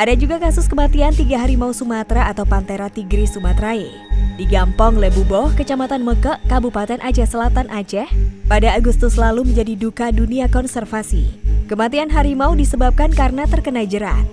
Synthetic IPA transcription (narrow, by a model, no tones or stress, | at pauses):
ʔadad͡ʒuɡakasʊskəmat̪iant̪iɡaɦaɾimausumat̪ɾaːt̪awpant̪eɾat̪iɡɾisumat̪ɾae | diɡampɔŋlebubɔhkət͡ʃamat̪anməkəʔkabupat̪ɛnʔad͡ʒɛhsəlat̪anʔad͡ʒɛhpadaːɡust̪ʊslaluməɲd͡ʒadidukaduniakɔnsɛrfasḭkəmat̪ianɦaɾimaudisəbap̚kankarnat̪ərkənaid͡ʒəɾa̰t̪̚